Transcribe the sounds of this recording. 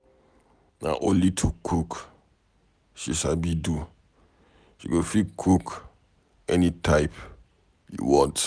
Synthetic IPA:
na̰ʔõnlitʰukʰuk | ʃiʃabidu | ʃḭɡofikʰuk | ɛnitaɪp | jṵwɔ̃nt

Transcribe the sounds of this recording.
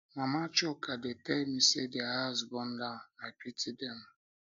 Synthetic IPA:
mamat͡ʃʊkadetemisedɪaɦazbɔn̩dam̩apitidem̩

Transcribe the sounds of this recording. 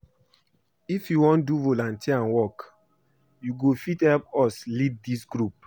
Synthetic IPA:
ifjuwɔ̃nduvolãntiãnwɔk | juɡofithɛlpɔslid̚disɡɹup̚

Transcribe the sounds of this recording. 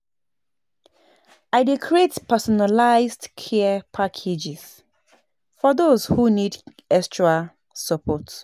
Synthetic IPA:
aɪdekʰɹietpʰɛsɔnalaɪzdkʰɛəpʰakʰed͡ʒɪz̥ | fɔðozhunid | ɛstʰɹa | səpʰɔt

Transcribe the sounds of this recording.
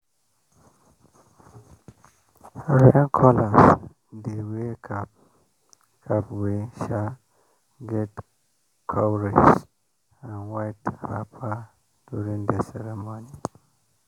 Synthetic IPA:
ɾɛnkʰɔlas | dewekʰap̚ | kʰapweʃa | ɡɛt | kʰawɹid͡ʒ | ãnwajtha̰pʰa | d̥uɾĩŋd̪əsɛɾɛmoni

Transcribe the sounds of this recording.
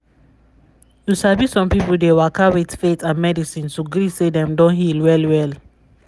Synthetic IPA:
jusabisɔ̃mpipuldewakawetfetãnmɛdisĩntuɡɾisedɛ̃mdɔ̃nɦilwɛlwɛl

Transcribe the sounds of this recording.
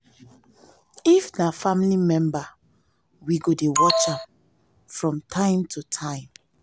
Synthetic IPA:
ifnafamlimɛ̃mba | wiɡodewɔt͡ʃãm | fɹɔ̃mtʰãɪ̃mtʰutʰãɪ̃m

